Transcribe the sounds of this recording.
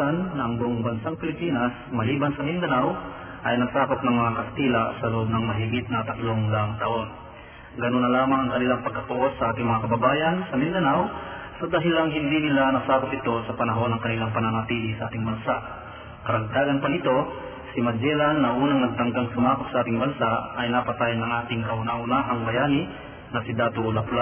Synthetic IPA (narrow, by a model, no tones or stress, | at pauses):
anːɐʔɐŋɡoŋbɐnsaŋpɪlɪpiːnas | mɐliːbɐnsɐmɪnd̪ɐnaw | ʔɐjnɐɡsaːkop̚nɐŋmɐŋakɐst̪iːlasɐlʊʔob̚nɐŋmɐɦiɡit̪̚nɐt̪ɐt̪loŋlaŋt̪ɐʔo̞n | ɡɐnonːɐlaːmaŋɐŋkɐnɪlaŋpɐɡ̚kɐt̪ʊʔosːɐʔaːt̪ɪŋmɐŋakɐbɐbaːjɐnsɐmɪnd̪ɐnaw | sɐd̪aːɦɪlɐŋɦɪnd̪inɪlanɐsaːkʊpɪt̪o̞sɐpɐnɐɦo̞nːɐŋkɐnɪlaŋpɐnɐnɐt̪iːlisɐʔaːt̪ɪŋbɐnsaʔ | kɐɾɐɡ̚d̪aːɡɐnpɐnɪt̪o̞ | simɐd͡ʒɛlanːɐʔuːnɐŋnɐɡ̚t̪ɐŋɡ̪aŋsʊmaːkop̚sɐʔaːt̪ɪŋbɐnsaɐjnɐpɐt̪ajnɐŋʔaːt̪ɪŋkɐʔʊnaʔʊnaʔɐŋbɐjaːnɪ | nɐsɪd̪aːt̪ʊlɐpla